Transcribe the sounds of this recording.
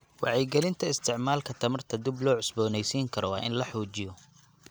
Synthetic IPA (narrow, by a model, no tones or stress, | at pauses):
wɑʕɛjɡɛlɪnt̪ʰɐɪst̪ʰɪʕmaːlkʰɐt̪ʰɐmɐrt̪ʰɐd̪ɪblɔːʕʊsbɔːnɛjsiːŋkʰɐɾɔwɑːʔɪnlɐħuːt͡ʃɪj